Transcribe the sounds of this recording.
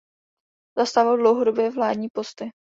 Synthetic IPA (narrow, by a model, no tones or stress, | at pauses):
zast̪avɪldlo̞wɦodobjɛːvlaːdɲiːpo̞st̪ɪ